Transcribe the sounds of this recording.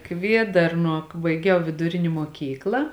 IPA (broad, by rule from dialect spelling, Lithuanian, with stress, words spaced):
ˈkʋʲiɛdɐrnuɔ bɐɪˈɡʲɛʊ ʋʲɪdʊˈrʲɪnʲɪ muɔˈkʲiːklˠɐ